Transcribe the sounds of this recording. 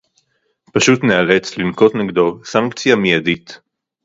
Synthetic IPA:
paʃutneale̞t͡slinko̞tneɡdo̞saŋkt͡sijamijadit̪

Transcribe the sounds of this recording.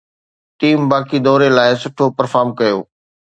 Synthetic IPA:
ʈiːmbaːkid̪ɔːɾelaːɪsʊʈʰopɐɾfaːɾmkɐjo̰ː

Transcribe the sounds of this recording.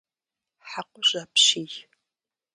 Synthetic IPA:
ħaqʷʊʑʷaːpɕiːj

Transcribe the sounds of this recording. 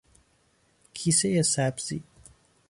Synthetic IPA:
kʰisejesæbz̥ḭ

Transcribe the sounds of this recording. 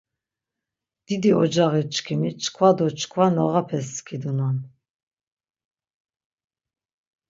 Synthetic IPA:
d̪̥id̪iɔd͡ʒaʁit͡ʃʰkʰimit͡ʃʰkʰvwad̪ɔt͡ʃʰkʰvanɔʁapʰɛskʰid̪unan

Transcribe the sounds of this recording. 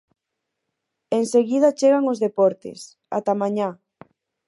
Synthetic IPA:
eŋseɣið̞at͡ʃeɣaŋozðepɔɾt̪ḛs | a̰t̪amãɲa

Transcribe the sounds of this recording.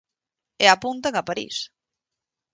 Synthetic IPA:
eapunt̪aŋapaɾḭs

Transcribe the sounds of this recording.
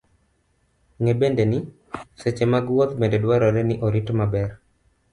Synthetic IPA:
ŋebendenɪ | set͡ʃemaɡwot̪bendedwaɾɔɾɛnɪʔoɾitmabɛr

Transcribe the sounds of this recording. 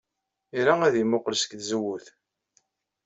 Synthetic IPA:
iɾaæðimʊqlsə̥kθzəwːuθ

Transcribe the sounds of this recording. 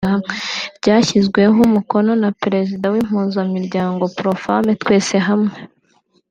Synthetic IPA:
abɟaːçizɡwe̞ɦumuko̞no̞napɾe̞zidawim̥huːnzamiɾɟaːŋɡo̞pɾofametwe̞ːse̞ɦamŋe

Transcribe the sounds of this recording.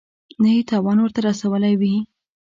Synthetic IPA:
nahit̪ɑwɑnwəɾt̪aɾasawəlajwi

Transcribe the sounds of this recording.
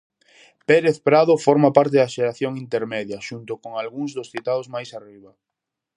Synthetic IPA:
peɾeθpɾaðofɔɾmapaɾt̪eðɐʃeɾaθjoŋint̪eɾmɛðjɐʃunt̪okoŋalɣuŋzðosθit̪aðozmajsariβ̞a

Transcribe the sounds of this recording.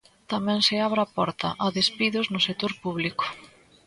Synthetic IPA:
t̪amɛ̃ŋsɪaβɾapɔɾt̪ɐ̰ʔaðespiðʊznʊset̪oɾpuβlikʊ̥

